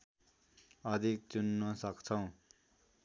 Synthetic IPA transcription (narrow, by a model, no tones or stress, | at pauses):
ʌd̪ʱik̚t͡sunːʌsʌkt͡sʰʌw̃